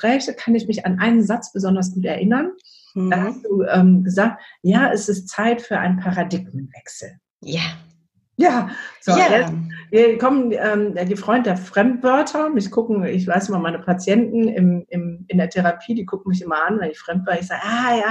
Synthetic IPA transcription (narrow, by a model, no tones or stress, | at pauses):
pʁ̥ɛːçəkʰanɪçmɪçanʔaɪnənzat͡sb̥əzɔndɐs̬ɡ̥uːtɛ̰ɐʔɪnɐn | d̥aːɦasd̥uːʔɛːmɡəzaːk̚t̚jaːɛsɪstt͡saɪtfyːɐʔa̰ɪnpʰaʁadɪɡmənvɛksl̩ | ja | jaːz̥ojɛviːɐkʰɔmənɛːmːdifʁ̥ɔʏndədeːɐfʁ̥ɛmtv̥œɐtʰɐmɪçkʰʊkŋ̩ɪçv̥aɪsʔɪmɐmaɪnəpʰat͡sjɛntn̩ɪmɪmɪndeːɐtʰɛʁapʰiːdiːkʰʊkŋ̩mɪçʔɪmɐʔanvɛnɪçfʁ̥ɛmtv̥ɛːɐʁəɪçz̥aːɡʔaːjaː